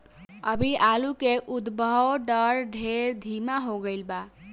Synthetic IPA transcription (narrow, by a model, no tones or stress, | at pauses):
əbʱiʔalukeʔud̪bəwɖəɾɖʱeɾd̪ʱimaɦoɡəlba